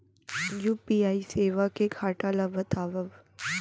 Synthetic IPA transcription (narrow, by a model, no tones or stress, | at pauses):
juːpiːaːiseːʋakekʰaːʈalabət̪ʰaːʋəʋ